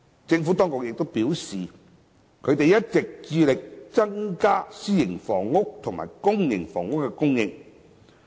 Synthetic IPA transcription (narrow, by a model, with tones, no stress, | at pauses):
t͡sɪ˧ŋfu˨˥t̪ɔː˥ŋkʊ˨k̚jɪ˨k̚t̪wpiː˨˥wsiː˨ | kʰɵ˨˧ɥt̪e˨jɐ˦˥t̚t͡sɪ˨k̚t͡siː˧lɪ˨k̚t͡sɐ˥ŋkaː˥siː˥jɪ˨˩ŋfɔː˨˩ŋːʊ˥k̚t̪ʰʊ˨˩ŋma̰ː˨˩jkʊ˥ŋjɪ˨˩ŋfɔː˨˩ŋʊ˥k̚ːɛ˧kʊ˥ŋjɪ˧ŋ